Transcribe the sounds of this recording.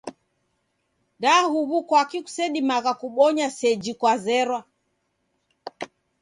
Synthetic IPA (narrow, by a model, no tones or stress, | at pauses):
ndahuβukwakiku̥sɛɗimaɣakuɓɔɲasɛd͡ʒikwazɛɾwa